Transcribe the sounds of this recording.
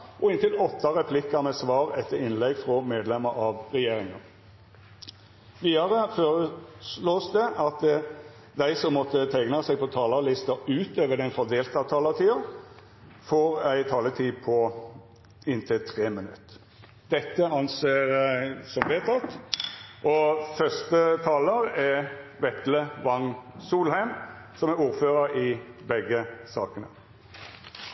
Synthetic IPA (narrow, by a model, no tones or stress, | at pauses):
ʔɔɪnt̪ɪlɔt̪ːɑʁɛpʰlɪkːəmɛsʋɑːʁɛt̪ʰːəɾɪnlɛɡfʁɔmeːd̪lɛməɾɑʋʁɛjeːɾɪŋɑn | ʋiːɑʁəføːɾəsloːsd̪ɛʔɑt̪ | d̪æɪsɔmːɔt̪ːət̪ʰæɪɡnɑsɛɡ̚pʰɔt̪ʰɑːləlɪst̪əʉːt̪øːʋəd̪ɛnfɔd̪eːlt̪ɑt̪ʰɑːləʁt̪ʰiːɑ | foːʁæɪt̪ʰɑːlət̪ʰiːpʰɔ | ɪnt̪ʰɪlt̪ʰʁeːmənʉ̰t̪ː | d̪ɛt̪ːəɑnseːʁsɔmʋeːt̪ʰɑt̪ː | ʔɔfœst̪ət̪ʰɑːləʁɛʋɛt̪ləʋɑŋsuːlhæɪm | sɔmæɾuːʁføːʁəɾɪbɛɡːəsɑ̰ːkənə̰